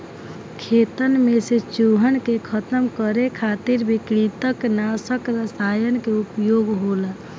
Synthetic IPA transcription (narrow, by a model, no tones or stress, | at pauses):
kʰet̪ənmeset͡ʃuɦənkekʰət̪əmkəɾekʰat̪iɾbikɾit̪əknasəkɾəsajənkeupjoɡɦolə